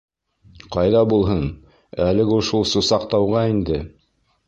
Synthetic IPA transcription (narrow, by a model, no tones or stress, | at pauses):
qɑjðɑbulˠɦɤn | ælɘɡuʃulˠsusɑqt̪ɑwʁɑind̪ɘ